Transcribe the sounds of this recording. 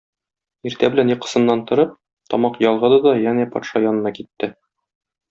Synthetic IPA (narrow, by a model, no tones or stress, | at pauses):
iɾt̪æbɘ̆lænjɤ̆qːɤ̥̆sɤ̆nːɑnt̪ŏɾɤp̚ | t̪ɒmɑqjɒlˠʁɤd̪ɑd̪ɒjænæpɒ̰t̪ʃɑjɒnɤ̆nɑkit̪ːɘ